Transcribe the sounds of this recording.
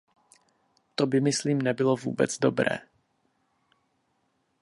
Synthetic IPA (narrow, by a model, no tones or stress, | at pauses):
t̪obɪmɪsliːmnɛbɪlovṵːbɛt͡sdo̞bɾɛ̰ː